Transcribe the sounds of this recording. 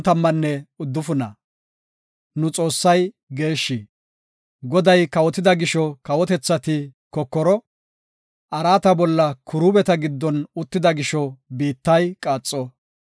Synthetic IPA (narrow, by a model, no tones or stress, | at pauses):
t̪ɐmːɐnːɛʊd̪ːʊfʊnɐ̰ | nʊt͡sʼo̞ːsːɐj | ɡe̞ːʃːi | ɡɔd̪ɐjkɐwɔt̪ɪd̪ɐɡɪʃɔkɐwɔt̪ɛt͡sːɐt̪ɪkɔkːɔɾɔ | ɐɾaːt̪ɐbɔlːɐkʊɾʊbɛt̪ɐɡɪd̪ːɔnʊt̪ːɪd̪ɐɡɪʃɔbiːt̪ːɐjkʼaːt͡sʼːɔ